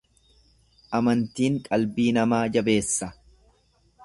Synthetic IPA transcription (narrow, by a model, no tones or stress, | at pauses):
ʔɐmɐnt̪iːŋkʼɐlbiːnɐmaːd͡ʒɐbe̞ːsːɐ